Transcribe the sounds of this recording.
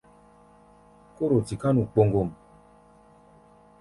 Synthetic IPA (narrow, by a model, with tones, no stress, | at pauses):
ko˦ɾo˨ti˨ka˦nu˨k͡po˧ŋɡo˨m